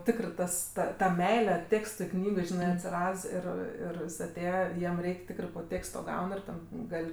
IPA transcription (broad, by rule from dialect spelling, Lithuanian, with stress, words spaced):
ˈtʲɪkrɜ ˈtɐs ˈtɐ tɐ ˈmʲɛɪlʲɛ ˈtʲeːkstʊɪ ˈknʲiːɡɐɪ ˈʒʲɪnɜ ɐtʲsʲɪˈrɐts ˈɪr ˈɪr jɪs ɐˈtʲeːjɛ ˈjiɛm ˈrʲɛɪkʲ ˈtʲɪkrɜ poː ˈtʲeːkstoː ˈɡɐʊn ɪr ˈtʲɛn ˈɡɐlʲ